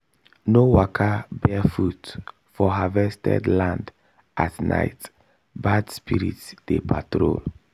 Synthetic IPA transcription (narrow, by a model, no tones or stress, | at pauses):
nowakʰabɛfut | fɔɦavɛstɛ̰dlãnd | atnʔa̰ɪt | badspiɾḭtd̥epʰatɾo̰l